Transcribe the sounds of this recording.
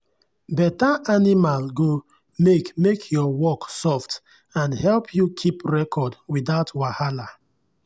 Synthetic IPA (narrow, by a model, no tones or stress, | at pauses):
bɛtaʔanimalɡo | mekmekʰjɔwɔksɔft | ãnhɛlpʰjukʰipɹɛkʰɔdwidaʊtwahala